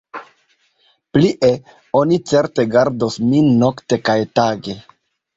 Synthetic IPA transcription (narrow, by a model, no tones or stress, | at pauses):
pliʔe̞ | o̞nit͡se̞ɾte̞ɡaɾdosmino̞kte̞kajtaɡe̞